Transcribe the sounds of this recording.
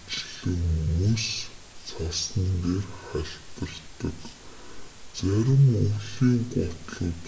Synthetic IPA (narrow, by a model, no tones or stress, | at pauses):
t͡ɕɮɘ̆ŋmɵs | t͡sʰasnint̪eːrχæɬp̪ə̆rt̪ːə̆k | t͡sæɾʲɪ̆muːɮiːŋɢɔt̪ɮʊ̆t̪